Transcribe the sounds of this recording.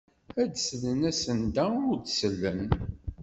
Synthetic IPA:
æd̪slənæsənd̪æʊɾd̪səlːən

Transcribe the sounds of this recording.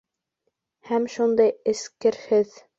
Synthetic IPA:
hæmʃund̪ɑjɘ̆skɘɾhɘð

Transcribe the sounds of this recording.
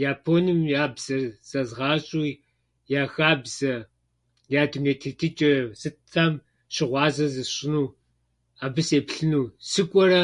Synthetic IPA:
jaːpʰoːnɨmjaːbz̥ɐrz̥ɐzʁɑːɕʼu | jaːxaːbz̥ɐ | jaːdumneːtʰeːtʰɨt͡ʃʼɐsɨtʰːaːm | ɕɪʁʷɑːzɐzɨɕɪnuː | aːbɨseːpɬɨnuːsɨkʷʼɔɾɐ

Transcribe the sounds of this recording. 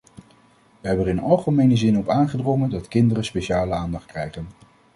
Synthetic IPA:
ʋəɦɛbəərɪnɑlˠχəmejnəzɪnɔpaːnχədrɔŋəndɑtkɪndərənspejʃaːləaːndɑχt̚krɛjχən

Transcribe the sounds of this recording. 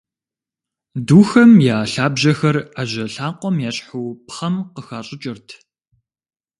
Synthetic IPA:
duːxɐmjaːɬaːbʑɐxɐraʑɐɬaːqʷɔmjaːɕʼħuːpχɐmqəxaːɕʼɪt͡ʃʼɪrtʰ

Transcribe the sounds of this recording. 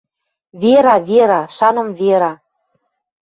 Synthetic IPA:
veɾɑveɾɑʃɑnɤ̆mveɾɑ

